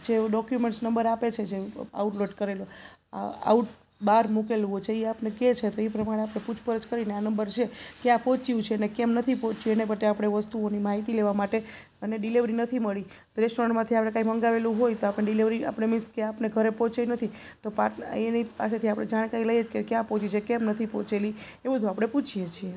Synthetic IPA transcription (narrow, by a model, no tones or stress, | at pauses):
d͡ʒeɖɔkjumeɳʈsnəmbəɾapet͡ʃʰed͡ʒea̰uʈloʈkəɾelo | a̰a̰uʈ | baɾmukeluot͡ʃʰeiapneket͡ʃʰet̪oepɾəmaɽ̃eapɳeput͡ʃʰpəɾəd͡ʒkəɾineanəmbəɾt͡ʃʰekeapɔt͡ʃiũt͡ʃʰenekɛmnət̪ʰipɔt͡ʃuenepət̪eapɽ̃eʋəst̪uonimaɦit̪ileʋamaʈe | əneɖiliʋɾinət̪ʰiməɭi | t̪oɾesɾəɳmãt̪ʰiapɽekaĩməŋɡaʋelũɦojt̪oapneɖiliʋɾia̰pənemɪskeapneɡʱəɾepɔt͡ʃeinət̪ʰi | t̪opaenipa̰set̪ʰiapəɽɳed͡ʒaɽ̃kaɾiləjed͡ʒkekjãpɔt͡ʃit͡ʃʰekɛmnət̪ʰipɔt͡ʃeli | ebəd̪ʱuapɽ̃eput͡ʃʰijet͡ʃʰie